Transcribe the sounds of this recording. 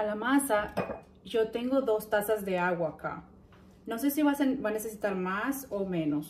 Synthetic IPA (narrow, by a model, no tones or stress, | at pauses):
alamasa | ʝo̞t̪e̞ŋɡo̞ðo̞st̪asazðe̞aɣwaːka̰ | no̞s̬e̞siβasbane̞sesit̪aɾmasomẽ̞nos